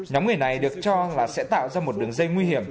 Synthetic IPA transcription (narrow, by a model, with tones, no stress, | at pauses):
ɲɔ˨˦mŋ͡mŋɨ˨˩əjna˨˩jɗɨ˨˩ək̚t͡ɕɔ˧laː˨˩sɛ̰˧˥t̪a̰ː˧˨wzaː˧mo˨˩t̚ɗɨ˨˩əŋzə˧jŋwi˧hi˧˩əm